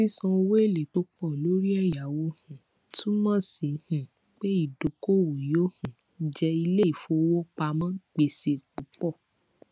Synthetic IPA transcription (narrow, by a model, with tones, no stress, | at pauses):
i˦sɔ̃˧o˧we˦e˦˨le˨to˦k͡pɔ˦˨lo˨˦ɾi˦ɛ˦˨ja˨wo˦hũ˨ | tʰũ˦mã˦˨si˨˦hũ˨ | k͡pe˦i˦˨do˨ko˦˨wo˨jo˦hũ˨˦ | d͡ʒɛ˧i˧le˦i˨fo˧o˧wɔ˦k͡pa˧mã˦k͡pe˧se˧k͡pu˨˦k͡pɔ˦˨